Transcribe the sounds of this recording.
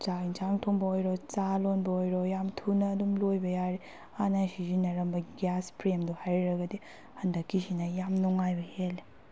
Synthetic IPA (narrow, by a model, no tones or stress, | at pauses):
t͡ʃainsʰaŋtʰoŋbɐojɾot͡ʃalonbɐojɾojamtʰunɐːdumlojbɐjaɾe | anasizinɐɾɐmbɐɡjaspɾemduhajɾɾɐɡɐdi | hɐndɐkːisinɐjamnuŋajbɐhelːe